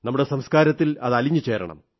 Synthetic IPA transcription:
nɐmːuɽe̞sɐmskaːɾɐt̪ːilɐðɐliɲːut͡ɕe̞ːɾɐ̰ɳɐ̰m

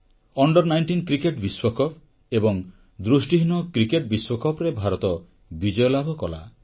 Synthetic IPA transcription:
ɔɳɖɔɾnajɳʈinkɾikeʈbiswɔkʰɔp̚ʰ | ebɔŋ | d̪ɾusʈiɦinɔkɾikeʈbiswɔkʰɔpɾebʱaɾɔt̪ɔ | bid͡ʒɔjɔlabʱɔkɔla̰

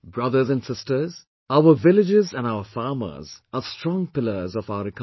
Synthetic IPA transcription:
bɹʌðəzæ̃nsɪstə˞z̥ | aʊəvɪlɪd͡ʒɪzæ̃naʊəfɑːmə̰zəstɹ̥ɔ̃ŋpɪlə˞zɔvaʊəɾɪkʰ

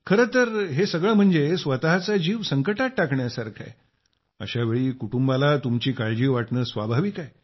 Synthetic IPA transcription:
kʰəɾət̪əɾɦesəɡɭəːm̤əɳd͡zesʋət̪aɦat͡sad͡ʑiːʋsəŋkəʈat̪ʈakɳjasaɾkʰa̰j | ə̰ɕaʋeɭiːkuʈumbalat̪umt͡ɕiːkaɭd͡ʑiːʋaʈɳəːsʋa̰bʱaʋikaj

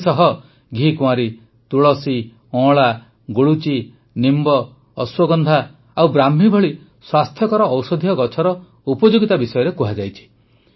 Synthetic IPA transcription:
sɔɦɔ | ɡʱikuãɾi | t̪uɭɔsi | ɔ̃ɭa | ɡuɭut͡ʃi | nimbɔː | swɔɡɔnd̪ʱa | awbɾamɦibʱɔɭi | swast̪ʰjɔkɔɾɔːwsɔd̪ʱijɔɡɔt͡ʃʰɔɾɔ | upɔd͡ʒoɡit̪abisɔjɔɾekuɦad͡ʒajt͡ʃʰi̥

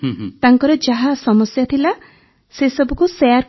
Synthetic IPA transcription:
t̪aŋkɔɾɔd͡ʒaɦasɔmɔsjat̪ʰila | sesɔbɔkuseaɾ

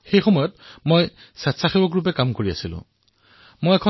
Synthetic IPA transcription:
xejxɔmɔjɔtmoj | satsaxibɔkɹup̬ɛkamkoɹiasilʊ̰̃ | mojɛkʰɔ

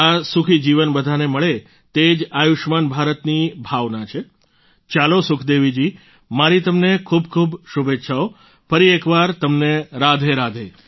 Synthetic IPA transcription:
asukʰid͡ʒiʋənbəd̪ʱaneməɭe | t̪ed͡ʒajuʃmanbʱaɾət̪nibʱaʋnat͡ʃʰe | t͡ʃalosʊkʰd̪eʋid͡ʒi | maɾit̪əmnekʰubkʰubʃubetːʃʰao | fəɾiekʋaɾt̪əmneɾad̪ʱeɾad̪ʱe

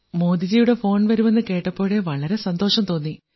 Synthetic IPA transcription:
mo̞ːd̪id͡ʑijuɽe̞fo̞ːnʋɐɾume̞nːɨke̞ːʈːɐpːo̞ːɻe̞ʋɐɭɐɾe̞sɐnd̪o̞ːʂɐmt̪o̞ːnːi

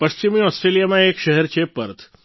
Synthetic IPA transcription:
pəʃt͡ɕimiɔsʈɾelijamãekʃəɦɛɾt͡ʃʰepə̰ɾt̪ʰ

